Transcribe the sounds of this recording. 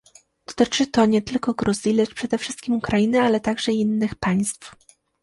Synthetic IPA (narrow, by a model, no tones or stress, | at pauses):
d̪̥ɔ̥t̪ɘt͡ʂɘt̪ɔɲɛt̪ɘlkɔɡɾuzʲjilɛt͡ʂpʂɛd̪ɛfʂɘst̪̚kʲimukɾajinɘalɛt̪aɡʐɛinːɘxpaj̃st̪f